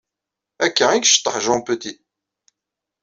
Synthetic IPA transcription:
ækːæikʃə̥t̪ˤːəħʒɑ̃pət̪i

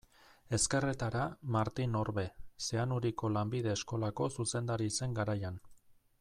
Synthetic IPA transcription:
e̞ske̞ret̪aɾamaɾt̪ino̞ɾβe̞se̞anuɾiko̞lambiðe̞ːsko̞lako̞suse̞nd̪aɾise̞ŋɡaɾajan

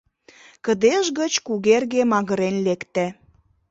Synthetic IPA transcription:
kə̆d̪eʒɣət͡ɕkuɣerɣemɑɣəɾenlekt̪æ

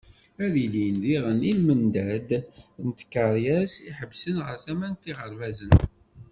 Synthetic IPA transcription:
æðilinðiʁənilmənd̪æd̪nt̪ə̥kːəɾˤjæsiħəbːsənʁə̰ɾθæmænt̪ːiʁəɾvæzən

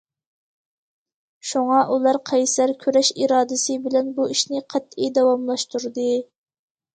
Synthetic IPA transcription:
ʃuŋɑʔulˠɑɾqʰɛjsæɾkʲʰøɾɛʃiɾɑːd̪ɨsɨbɪlɛnbuiʃnɪqʰɛt̪ːid̪ɑwɑmlˠɑʃt̪uɾd̪ɨ

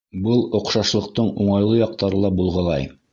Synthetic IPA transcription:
bɤlˠŏqʃɑʃlˠɤ̆q̚t̪ɤɴuɴɑjlˠɤjɑq̚t̪ɑɾɤlˠɑbulˠʁɤlˠɑ̰j

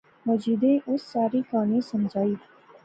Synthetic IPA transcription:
məd͡ʒiːd̪ẽːʔʊsːaːɾiːkaːniːsəmd͡ʒaːiː

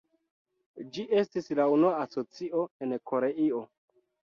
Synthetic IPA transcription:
d͡ʒiʔe̞stislaunuaːso̞t͡siʔo̞e̞nko̞ɾe̞io̞

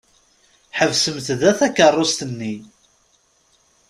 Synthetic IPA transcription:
ħəvsəmt̪ðæθækːərˤːost̪ənːi

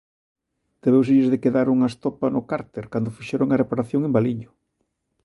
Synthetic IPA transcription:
d̪̥eβews̬eʎezðekeðaɾuŋaest̪ɔpɐnʊkaɾt̪eɾkand̪ʊfiʃeɾoŋarepaɾaθjoŋembaliɲʊ

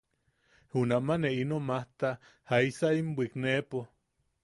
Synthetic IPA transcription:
hunaʔmaneʔinomaht̪a | haisaimbʷiknepo

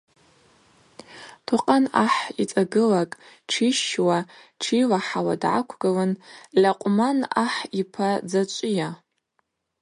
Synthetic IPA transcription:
tʰuqʼanaħit͡sʼaɡɨlakʼ | ʈ͡ʂʰiʃwaʈ͡ʂʰilaħawa̰dʕa̰kʷʰɡalanlʲaqʷʼmanaħipʰad͡zat͡ʃʷʼja

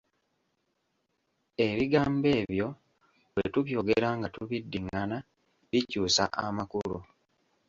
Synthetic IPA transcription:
e̞βiɡaːmbe̞ːβjo̞ | βwḛtuβjo̞ɡeɾaŋɡatuβidːiŋːana | βicuːsa̰ʔa̰makulu

